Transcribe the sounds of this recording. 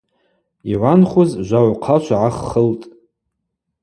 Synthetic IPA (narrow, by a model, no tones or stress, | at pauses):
iʕʷanχʷuzʒʷaʕʷqʰat͡ʃʷʰaʕaχːəltʼ